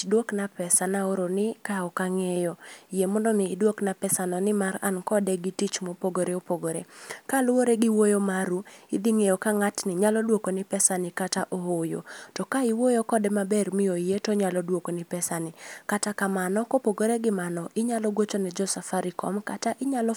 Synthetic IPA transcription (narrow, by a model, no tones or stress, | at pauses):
dwoknapɛsanaoɾonɪkaɔkaŋejɔjemɔndɔnɪːdwoknapɛsanɔnɪmara̰nkɔdɛɡɪtit͡ʃmopoɡoɾeopoɡoɾekalʊwoɾeɡɪwojomaɾuɪd̪iŋejokaŋatnɪɲalɔdwokonɪpɛsanɪkataʔoɦojo̰tɔkaɪwojokɔdɛmabɛrmɪoijetɔɲalɔdwokonɪpɛsanɪkatakamanɔkopoɡoɾeɡɪmanɔʔɪɲalɔɡwot͡ʃonɛd͡ʒɔsafaɾɪkɔ̰mkataʔɪɲalɔ